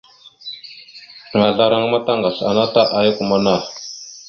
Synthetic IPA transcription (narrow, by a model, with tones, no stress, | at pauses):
ŋa˨ɮa˦ɾa˦ŋ˦ma˦ta˦ŋɡa˨ɬa̰˨na˦ta˦ʔa˦ja˦ku˨ma˦na˦˨